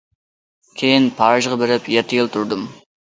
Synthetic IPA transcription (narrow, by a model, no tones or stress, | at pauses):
kʲʰejɪnpʰɑɾʒʁɑbɪɾɪpjeɾt̪ʰɪjɪlˠt̪ʰʊɾd̪ɨm